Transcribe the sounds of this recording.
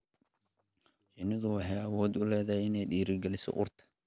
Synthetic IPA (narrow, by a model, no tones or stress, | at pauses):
t͡ʃɪnɪðʊwɑħɑjɐwɔːd̪ʊlɛːðɐɦɛɪnɛjɖiːɾɪɡɛlɪsɔ̰ʔʊ̰rt̪ʰɐ̥